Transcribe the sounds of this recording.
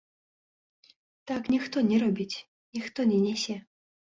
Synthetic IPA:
t̪aknʲixt̪ɔnʲɛɾɔbʲit͡sʲ | nʲixt̪ɔnʲɛnʲɛsʲɛ

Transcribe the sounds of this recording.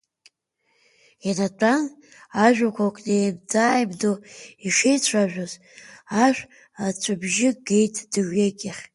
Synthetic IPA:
anatʷʼan | aʒᶣakʷʰakʷʼnebd͡zajbdoiʂejt͡ɕʷʰaʒᶣoz | aʃʷᶣ | at͡ɕʷʰabʒɪɡejtʼʰd̥ɨʒᶣeɡʲɪχʲ

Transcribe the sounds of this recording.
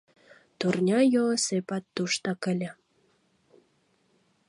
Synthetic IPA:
t̪urnʲɑjosepɑt̪ːuʃt̪ɑkə̆lʲə

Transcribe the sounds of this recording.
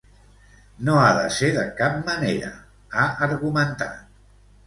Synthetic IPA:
noaðə̰seðəkap̚məneɾə̰ | aʔəɾɣumənt̪a̰t̪

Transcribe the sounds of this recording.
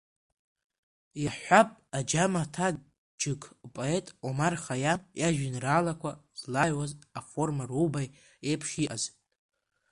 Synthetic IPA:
jaħʷapʼad͡ʒamatʰa | d͡ʒɨkʰʼpʼoe̞tʼomarχajamjaʒᶣɪnraːlakʷʰazlajwazafo̞rmarubaj | epʰχʲiʔaz̥

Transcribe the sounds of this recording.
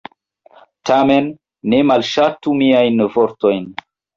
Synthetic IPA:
tame̞nː | e̞malʃatumiajnvoɾto̞jn

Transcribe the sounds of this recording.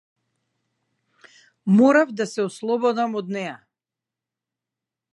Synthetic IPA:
mɔɾavd̪asɛɔslˠɔbɔd̪amɔd̪nɛja

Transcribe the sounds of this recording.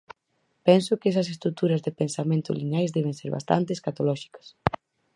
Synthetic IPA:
pɛnsʊkɛs̬ɐsest̪ɾuk̚t̪uɾɐzðepensamẽnt̪ʊ̰linajzðɛβ̞ẽnseɾβa̰st̪a̰nt̪eskat̪olɔʃi̥kɐ̥s

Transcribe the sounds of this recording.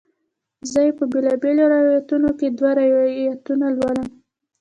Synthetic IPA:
zajpəbelɑbeloɾajjat̪unoked̪waɾajjat̪unalwaləm

